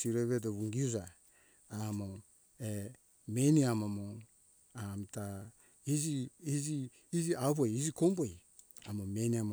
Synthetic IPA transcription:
siɾeβedoβuŋɡiuzaː | mo | e | meniamamo | amta | iziiziː | ziaβojizikomboj | amomeniama

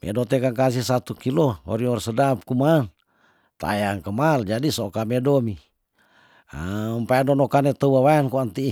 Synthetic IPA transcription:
mɛ̰dot̪ɛkaŋkasihsat̪ukiloɔ̰ɾiŋɔrsədap̚kuman | t̪a̰jaŋkəmald͡ʒadisokamedomi | mpajadonɔkanet̪əuwawaɛnkuant̪i

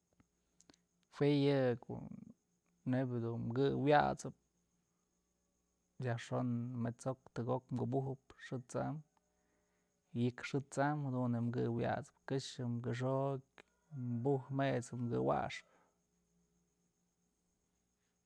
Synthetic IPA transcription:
hwejɨko̰ | nebʲd̪unmɡɨwja̰t͡sɨp̚ | jaʂonmet͡sok̚t̪ɨɡokmɡubuɦɨpʂɨt͡sa̰m | jɨkʂɨt͡samhad̪unemɡɨwja̰t͡sɨ̥p̚kɨʂɨmkɨʂ̬okʲ | mbuhmet͡sɨmɡɨwa̰ʂp

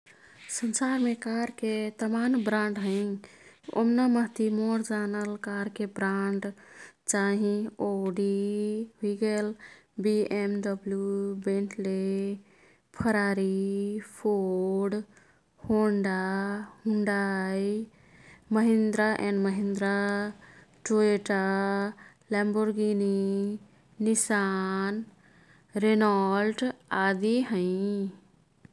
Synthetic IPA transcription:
sənsaɾmekaɾket̪əmanbɾãɳɖɦəɪ | o̰mnaməɦt̪imoɾd͡ʒanəlkaɾkebɾaɳɖt͡ʃaɦĩoɖiɦuiɡelbiemɖəbljubẽɳʈʰle | pʰəɾaɾipʰoɖ | hoɳɖahũɳɖaj | məɦĩnd̪ɾaʔɛ̃ɳɖməɦĩnd̪ɾa | ʈoeʈa | lɛmboɾɡini | nisan | ɾenalʈad̪iɦə̃ɪ

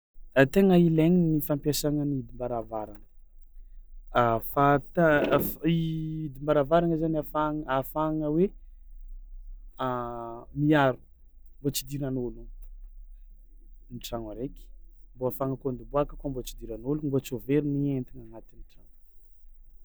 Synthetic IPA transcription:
ət̪eŋəileŋinifampjasaŋəniid̪imbaɾavaɾaŋə | afat̪afid̪imbaɾavaɾaŋəzanafaŋafaŋəwe | amiaɾu̥ | mbot͡sid̪iɾanolu | niʈ͡ʂaŋaɾekʲi̥mboafaŋəkond̪iboakəkuambot͡ʃid̪iɾanolubot͡soveɾinient̪iŋaŋat̪iniʈ͡ʂaŋ

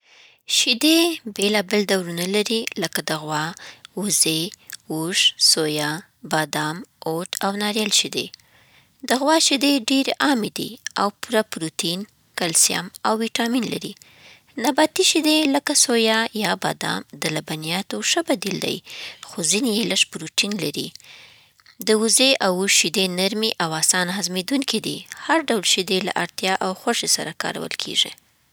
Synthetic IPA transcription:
ʃɪd̪ebelɑbɪld̪awɾunalaɾiləkad̪əɣwɑuzeuʒsojɑ | bɑd̪ɑmoʈʰawnɑɾjɑlʃid̪ḛ | d̪əɣwɑʃɪd̪eɖeɾʔɑmed̪ḭawpuɾapɾut̪in | kalsja̰mawːiʈɑminla̰ɾi | nabat̪iʃid̪eləkasojɑjɑba̰d̪ɑ̰md̪əlabanijɑt̪oʂəbad̪ild̪a̰jxozinijeləʂpɾuʈinlaɾḭ | d̪əuzeʔawuʃid̪enaɾmiʔawɑsɑnɦazmed̪uŋkid̪ḭhaɾɖawlʃid̪ela̰ʔaɾt̪jɑʔawxwaʂesa̰ɾakɑ̰ɾa̰wə̰lkʰḛʐḭ

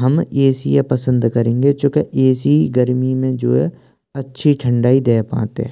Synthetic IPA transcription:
ɦəmeːsijapəsə̃nd̪kəɾẽːŋɡet͡ʃõːkeʔeːsiɡəɾmimẽd͡ʒo̰ːɛ̰ | ɐtːʃʰiʈʰəɳɖaːid̪eːpã̰ːt̪eɛ̰

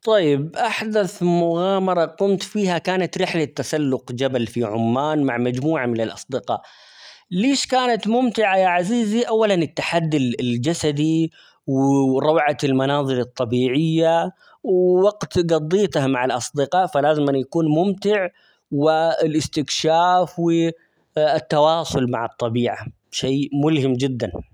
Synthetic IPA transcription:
t̪ˤɑjːɪbʔaħd̪aθmʊɣaːmɑɾˤɑqʊmt̪fiːhakaːnat̪ɾɪħlat̪ːasalːʊqd͡ʒabalfiʕʊ̰mːaːnmaʕmad͡ʒmuːʕamɪnɪlʔɑ̰sˤd̪ɪqɑ̰ːʔ | leːʃkaːnat̪mʊmt̪ɪʕajaʕaziːziʔawːalanɪt̪ːaħad̪ːild͡ʒasad̪i | wɾˤɑwʕalmanɑːðˤɨɾɨt̪ˤːɑbiːʕɪjːa | wwaɡt̪ɡɑd̪ˤːiːt̪hamaʕalʔɑsˤd̪ɪqɑːʔfalaːzɪmanjakuːnmʊmt̪ɪʕ | wɪɪlʔɪst̪ɪkʃaːfwɪ | t̪ːawɑːsˤʊlma̰ʕɑt̪ˤːɑbiːʕa̰ | ʃeːmʊlhɪmd͡ʒɪd̪ːan

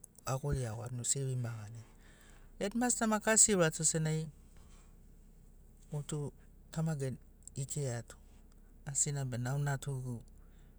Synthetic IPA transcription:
akoliawa̰tnusewimbaɡanen | etmastamakasiɾatusenaj | otu | tʰamaɡen | ikʰeatu̥ | asinabenawnatʰuɡu

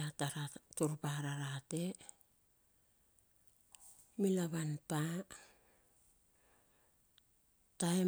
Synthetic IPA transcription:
aaatuɾpaɾaɾate̞ | milaβanpa | tae

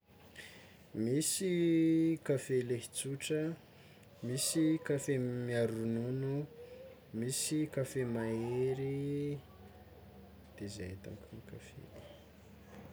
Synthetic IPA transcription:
misi | kafelehit͡suʈ͡ʂə | misikafemiaɾununu | misikafemaeɾi | d̪̥eza̰et̪a̰ŋkunikafḛli̥

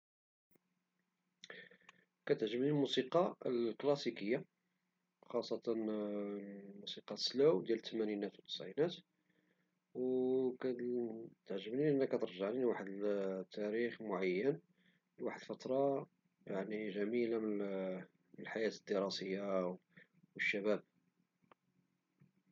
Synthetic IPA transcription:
kæt̪əʕʒəbnilmusiqɑəlklɑsikəjːa | xɑsˤːɑt̪ɑn | musiqɑslæwd̪jælət̪ːəmæninæt̪wət̪ə̥sʕinæt̪ | wkæt̪əʕʒəbniʔənːækːæt̪əɾʒaʕninwaħəd̪t̪ʰːæɾixmʊʕajːən | waħəd̪lfɑt̪ɾˤɑ | jaʕniʒæmilam | məlħajæt̪əd̪ːəɾˤɑsəjːaw | wəʃːæbæb̚

